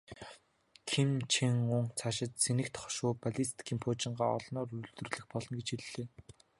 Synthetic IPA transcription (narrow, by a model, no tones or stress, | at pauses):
kʰimt͡ɕʰeŋʊŋt͡sʰaʃɪ̆t̪̚senɘ̆kt̪χɔ̥ʃʊːpaɮist̪ʰi̥kʰiːmpʰʊːt͡ɕɪ̆ɴɢaːɔ̰ɮnɔːɾuɾɵ̆ɮt̪ɵrɮɘ̆xpɔɮɞ̆nɡet͡ɕiɮːeː